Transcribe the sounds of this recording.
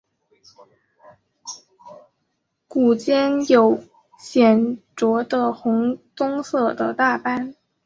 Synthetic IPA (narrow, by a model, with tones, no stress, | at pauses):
ku˨˩t͡ɕjɛ˥njo˨˩ʊ | ɕjɛ˨˩nʈ͡ʂwɔ˧˥d̪ə˧xʊ˧˥ŋt̪ʊ˥ŋsɤ˥˩d̪ə̰˨t̪a˥˩pa˥n